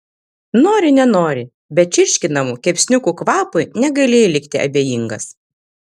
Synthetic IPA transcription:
noːɾʲɪnʲɛnoːɾʲɪ | bʲɛt̚t͡ʃʲɪɾʲʃʲkʲɪnɐmuːkʲɛpʲsʲnʲʊkuːkʋɑːpʊjnʲɛɡɐɪlʲeːjɛlʲɪkʲt̪ʲɪɐ̰bʲeːjiŋɡɐs

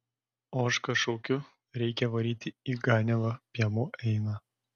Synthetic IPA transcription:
oːʃkɐʃkoːkʲʊ | ɾʲɛɪkʲɛʋɐɾʲiːt̪ʲɪiːɡɑːnʲɛlˠɐpʲiɛmuʔɛɪnɑː

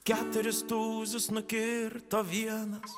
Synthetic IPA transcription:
kʲæːt̪ʊɾʲɪst̪uːzʲʊsnʊkʲɪɾt̪oːʋʲiɛnɐs

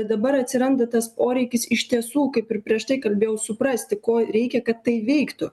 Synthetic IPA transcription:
d̪ɐbɐɾɐt̪ʲsʲɪɾɐnd̪ɐt̪ɐspoːɾʲɛɪkʲɪsɪʃʲt̪ʲiɛsuːkɐɪpɪrpʲɾʲiɛʃt̪ɐɪkɐlʲbʲeːjɛʊsʊpɾɐsʲt̪ʲɪkoːɾʲɛɪkʲɛkɐt̪ːɐɪʋʲɛɪkt̪ʊ

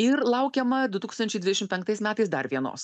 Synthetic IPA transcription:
ɪɾlˠɐʊkʲɛmɐd̪ʊt̪uːkst̪ɐnʲt͡ʃʲɛɪd̪ʲʋʲɪdʲɛʃɪmtpʲɛŋk̚t̪ɐɪsmʲæːt̪ɐɪsd̪ɐɾʋʲiɛno̰ːs

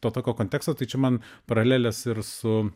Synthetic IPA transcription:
t̪oːt̪oːkʲoːkoːnʲt̪ʲæːkst̪oːt̪ɐɪt͡ʃʲɛmɐn | pɐɾɐlʲæːlʲɛsɪɾsʊ

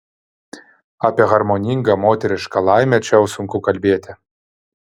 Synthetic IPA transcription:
ɑpʲiɛɣɐɾmoːnʲɪŋɡɐmoːt̪ʲɛɾʲɪʃkɐlˠɑˑɪmʲɛt͡ʃʲɛʊsʊŋkʊkɐlʲbʲeɛt̪ʲɪ

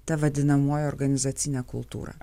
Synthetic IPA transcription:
t̪ɐʋɐd̪ʲɪnɐmoːjɛɔɾɡɐnʲɪzɑːt̪sʲɪnʲɛːkʊ̰lˠt̪ṵːɾɐ̰

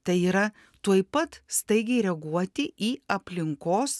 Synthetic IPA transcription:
t̪ɐɪiːɾɐ | t̪uɔjpɐt̪st̪ɐɪɡʲɛɪɾʲɛɡuɔt̪ʲɪʔiːɐpʲlʲɪŋkoːs

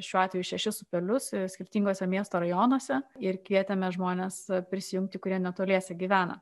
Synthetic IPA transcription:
ʃʲuːɑːt̪ʋʲɛjuʃʲɛʃʲɪsʊpʲɛlʲʊssʲkʲɪrʲt̪ʲiːŋɡoːsʲɛmʲiɛst̪oːɾɐjoːnoɔsʲɛɪɾkʋʲiɛt̪ʲɛmʲɛʒmoːnʲespʲɾʲɪsʲɪjʊŋkt̪ʲɪkʊɾʲiɛnʲɛt̪oːlʲiɛsʲɛɡʲiːʋʲæːnɐ̰

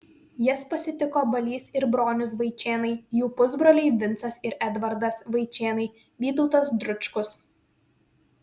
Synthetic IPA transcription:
jɪspɐsʲɪt̪ʲɪkoːbɐlʲiːsɪɾbɾoːnʲʊs̬ʋɐɪt͡ʃʲeːnɐɪjuːpʊzbɾoːlʲɛɪʋʲɪnt̪sɐsɪɾɛd̪ʋɐɾd̪ɐsʋɐɪt͡ʃʲeːnɐɪ | ʋʲiːt̪ɔʊt̪ɐs̬d̪ɾʊt͡ʃkʊs

